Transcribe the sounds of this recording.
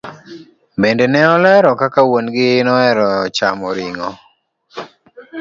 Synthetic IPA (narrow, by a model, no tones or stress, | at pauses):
bendenɛɔlɛɾɔkakawonɡɪnɔɛɾɔt͡ʃamɔɾiŋɔ